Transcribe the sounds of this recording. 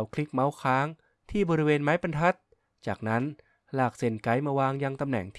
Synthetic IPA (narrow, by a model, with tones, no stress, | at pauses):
wkʰli˦˥k̚ma˦˥wkʰaː˦˥ŋ | t̪ʰiː˥˩bɔː˧ɾi˦˥weː˧nmaː˦˥jpa˧nt̪ʰa˦˥t̪̚ | t͡ɕaː˨˩k̚na˦˥n | laː˨˩k̚se˨˩nka˦˥jmaː˧waː˧ŋja˧ŋt̪a˧mnɛ̰˨˩˦ŋt̪ʰ